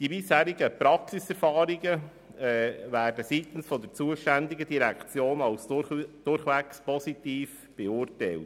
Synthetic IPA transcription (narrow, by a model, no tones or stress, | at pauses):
d̥ibɪshæːɾɪɡəpɾɑksisɛɾfɑːɾiɡə | ɛvæːrdəsiːt̪n̩sfɔd̪əɾt͡suəʃtændɪɡədiɾɛkt͡sjoːnɑlsd̥ʊɾχʋɛkspɔsitiːf | b̥ɛʊrtæɪlt